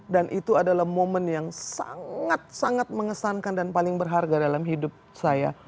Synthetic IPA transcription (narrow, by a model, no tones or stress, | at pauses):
danʔit̪uadalahmomənjaŋsa̰ŋŋat̪̚saŋat̪̚məŋəsankandanpalɪŋbərɦarɡadalamɦidʊp̚saja